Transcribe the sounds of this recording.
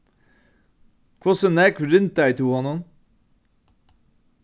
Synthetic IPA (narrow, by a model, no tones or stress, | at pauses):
kʰɔsənækɾʉnt̪̚d̪æɪt̪ʰuːhɑnɔn